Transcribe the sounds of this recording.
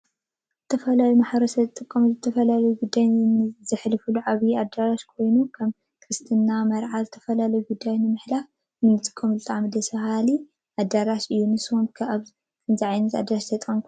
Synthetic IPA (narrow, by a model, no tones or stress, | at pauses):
zɨt̪ʰɐfɐlajumaħβɾosɐzɨt̪ʼɨkʼːɐmuzɨt̪ʰɐfɐlalɐjuɡud̪ːajnɨzɨħlɨfuluʕaβiad̪aɾaʃkʰo̞jnukʰɐm | kʰɾɨst̪ʰɨnːamɐɾʕazɨt̪ʰɐ̥fɐlalɐjuɡud̪ːajnɨmɨħlaf | nɨnɨt̪ʼɨ̥kʼːɐmuzɨt̪ʼaʕmid̪ɐsɐhali | ʔad̪ːaɾaʃɨjːunɨsomkʰaβ | ɨnziʕajnɐt̪a̰d̪ːaɾaʃt̪ʰɐt̪ʼomkʰ